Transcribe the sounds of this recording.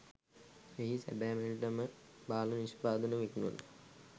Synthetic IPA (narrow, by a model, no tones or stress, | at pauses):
eɦisæ̰bæːmeliʈəməbaːləniʃpaːd̪ənəʋekinuɐ̰na